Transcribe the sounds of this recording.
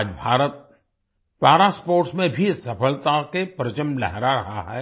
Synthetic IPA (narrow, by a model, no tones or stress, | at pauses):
d͡ʒbʱaːɾət̪̚ | paːɾaspoːɾʈsmẽbʱisɐfəlt̪akepɾət͡ʃəmlɛɦɾaɾɐ̰ɦaɦɛː